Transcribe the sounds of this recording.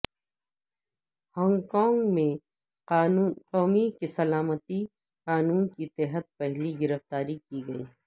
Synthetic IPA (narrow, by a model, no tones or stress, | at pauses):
hɔ̃ːŋɡkɔːŋɡmẽ | qɔːmikesɐlaːmət̪i | qaːnuːnkit̪ɛːɦət̪̚pɛɦliɡɪɾəft̪aːɾikiɡɐḭː